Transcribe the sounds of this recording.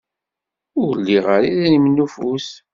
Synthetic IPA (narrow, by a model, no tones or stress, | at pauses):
ʊɾliʁaɾiðnimnːufus